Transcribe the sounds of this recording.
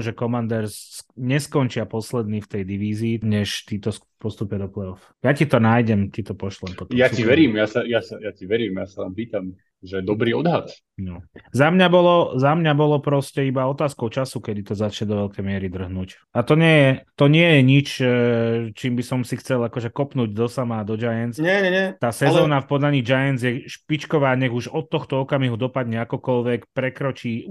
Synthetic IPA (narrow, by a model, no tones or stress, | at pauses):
ʒɛkɔmand̪ɛɾsɲɛskɔnt͡ʃɪapɔslɛd̪niːft̪ɛjd̪iʋiːziːɲɛʃt̪iːt̪ɔs | pɔst̪upjɛd̪ɔplɛɔf | jacit̪ɔnaːjɟɛmcit̪ɔpɔʃlɛmɔt̪ɔjaiʋɛɾiːmjasajasajaciʋɛɾiːmjasaʋa̰ːmpiːt̪am | ʒɛd̪ɔbɾiːɔd̪ɦat̪ | nɔzamɲabɔlɔzamɲabɔlɔpɾɔscɛibaɔt̪aːskɔʊt͡ʃasukɛd̪it̪ɔzat͡ʃɲɛd̪ɔʋɛlkɛjmɪɛɾid̪r̩ɦnuːc | at̪ɔɲɪɛjɛt̪ɔɲɪɛjɛɲit͡ʃ | t͡ʃiːmbisɔmsixt͡sɛlakɔʒɛkɔpnuːɟd̪ɔsamad̪ɔd͡ʒajɛnt͡sɲɛɲɛɲɛt̪aːsɛzzɔːnafpɔd̪aɲiːd͡ʒajɛnd͡zjɛʃpit͡ʃkɔʋaːɲɛɣuʒɔt̪ːɔxt̪ɔɔkamiɦud̪ɔpad̪ɲɛakɔkɔlʋɛkpɾɛkɾɔt͡ʃiː